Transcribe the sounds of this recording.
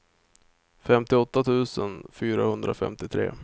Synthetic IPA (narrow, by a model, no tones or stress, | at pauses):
fɛmt̪ɪɔt̪ːat̪ʰʉ̟ːsənfyːɾahɵnd̪ɾa̰fɛ̰mt̪ɪt̪ʰɾḛː